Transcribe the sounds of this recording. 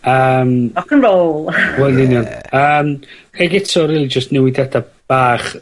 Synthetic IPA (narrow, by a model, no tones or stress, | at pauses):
əːmɔkənroːlˠwɛlnɪnjɔnəːmeɡɛtʰɔɾiːlˠid͡ʒəstnɛwɪdada | b̥aːχ